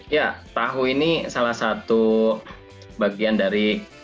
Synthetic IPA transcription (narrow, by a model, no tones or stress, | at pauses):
jat̪aɦuinisalahsat̪u | baɡiandaɾi